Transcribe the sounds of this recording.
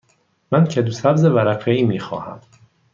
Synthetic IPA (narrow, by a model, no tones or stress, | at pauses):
mæncʰed̪usæbzevæɾæfeiːmiːxɒ̰ːhæm